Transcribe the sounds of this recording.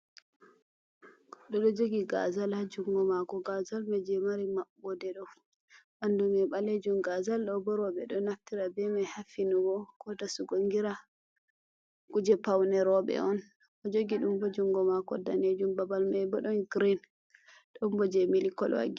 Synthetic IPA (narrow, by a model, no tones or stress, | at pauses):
ɗɔɗɔd͡ʒoɡiɡa̰zalhad͡ʒuŋɡɔmakɔɡazalmɛd͡ʒɛmaɾimaɓɔdɛɗɔ | ʔandumɛɓaled͡ʒumɡazalɗɔbɔɾɔɓɛ̰ɗɔnaftiɾabɛmajhafinuwɔkɔtasuɡoŋɡiɾa | kud͡ʒɛpawnɛɾɔɓɛ̰ɔn | ʔɔd͡ʒoɡiɗumbɔd͡ʒuŋɡɔmakɔdaned͡ʒumbabalmabɔɗɔnɡɾin | ɗɔmbɔd͡ʒɛmilikɔ̰lwa̰ɡi